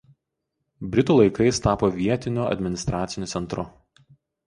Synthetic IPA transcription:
bʲɾʲɪt̪uːlˠɐɪkɐɪst̪ɑːpoːʋʲiɛt̪ʲɪnʲʊɐ̰d̪ʲmʲɪnʲɪst̪ɾɑːt̪sʲɪnʲʊːsʲɛnt̪ɾʊ

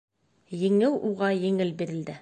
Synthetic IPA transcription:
jɘ̆ŋɘwuʁɑjɘ̆ŋɘlbiɾɘ̆ld̪ɘ

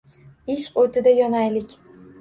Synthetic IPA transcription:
ɪʃqot̪ʰɪd̪ajɒnajlɪkʲ

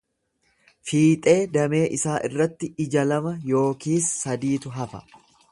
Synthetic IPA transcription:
fiːt̪ʼe̞ːd̪ɐme̞ːʔɪsaːʔɪrːɐt̪ːɪɪd͡ʒɐlɐmɐjo̞ːkiːsːɐd̪iːt̪ʊɦɐfɐ̥̰

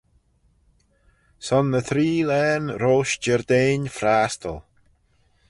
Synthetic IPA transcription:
sɔnːəθɾiːlɛːnɾoːʃd͡ʒəɹd̪eːnfɾaːstʰə̰lˠ

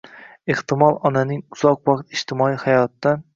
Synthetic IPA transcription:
eht̪ɪmɒlˠɒnanɪŋʊz̥ɒqwɒqt̪ɪʃt̪ɪmɒijhajɒt̪ːan

